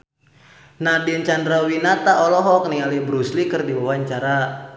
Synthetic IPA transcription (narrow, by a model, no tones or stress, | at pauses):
nahdiənt͡ʃandɾawinat̪aɔlɔɦɔk̚niŋalibɾuslikɨrdiwawaɲt͡ʃaɾa